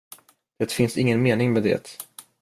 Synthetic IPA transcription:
d̪̥ɛt̪fɪnsɪŋːənmeːnɪŋmɛd̪ɛ̰ːt̪

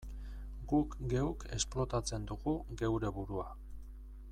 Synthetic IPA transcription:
ɡukɡe̞wke̞splo̞t̪at͡se̞nd̪uɣuɡe̞wɾe̞βuɾua

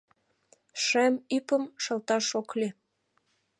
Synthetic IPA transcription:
ʃæmypə̆mʃɤ̆lt̪ɑʃoklʲe

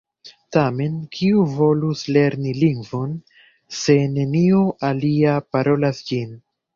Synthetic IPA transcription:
tame̞nkʰiuvo̞lusle̞ɾniliŋɡvo̞n | se̞ne̞nioʔaliapaɾo̞lasd͡ʒin

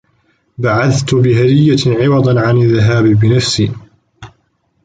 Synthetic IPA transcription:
baʕaθt̪ʊbɪɦad̪ɪjːaʕɪwɑd̪ˤɑnʕanaðːaɦaːbbɪnafsiː

